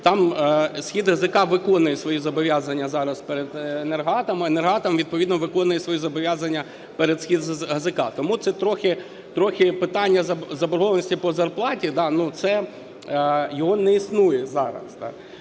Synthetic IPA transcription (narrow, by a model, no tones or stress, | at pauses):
t̪ɑmsʲxʲid̪ɦɐzɪkɑʋɪkɔnʊjɛsʋɔjizɐbɔʋʲjazɐnʲːɐzɑɾɐspeɾed̪enerɦɑt̪ɐmenerɦɑt̪ɐmʋʲid̪̚pɔʋʲid̪nɔʋɪkɔnʊjɛsʋɔjizɐbɔʋʲjazɐnʲːɐ | peɾed̪sʲxʲid̪ɦɐzɪkɑt̪ɔmut̪sɛt̪ɾɔxʲɪ | t̪ɾɔxʲɪpɪt̪ɑnʲːɐzɐzɐbɔɾɦɔʋɐnɔsʲtʲipɔzɐrplˠɑtʲid̪ɑnut̪sɛ | jɔɦɔnɛisnujɛzɑɾɐ̰z̥d̪ɑ̰